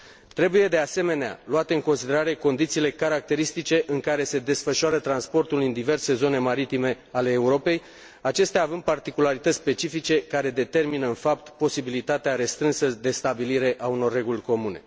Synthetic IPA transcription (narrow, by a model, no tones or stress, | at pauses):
t̪ɾe̞buje̞d̪e̞ase̞me̞nea̰loat̪e̞ɨŋko̞nsid̪e̞ɾaɾe̞ko̞nd̪it̪siːle̞kaɾak̚t̪e̞ɾist̪it͡ʃe̞ʔɨŋkaɾe̞se̞d̪e̞sfəʃoaɾət̪ɾanspo̞rt̪ulɨnd̪ive̞rse̞zo̞ne̞maɾit̪ime̞ | ale̞ːuɾo̞pe̞j | at͡ʃe̞st̪eaːvɨnd̪̚part̪ikulaɾit̪ət̪sʲspe̞t͡ʃifit͡ʃe̞kaɾe̞d̪e̞t̪e̞rminəɨnfap̚t̪po̞sibilit̪at̪eaɾe̞st̪ɾɨnsəd̪e̞st̪abiliɾe̞ʔauno̞rːe̞ɡulʲko̞mune̞̰